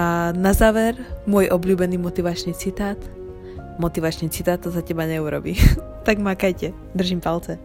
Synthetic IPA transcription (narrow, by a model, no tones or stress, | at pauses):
anazaːʋɛɾmʊɔjʔɔbʎʲuːbɛniːmɔt̪iʋat͡ʃniːt͡sit̪aːt̪ | mɔt̪iʋat͡ʃniːt͡sit̪aːt̪ːɔsacɛbaɲɛuɾɔ̰bḭː | t̪aɡmakajcɛ | d̪r̩ʒimpalt͡sɛ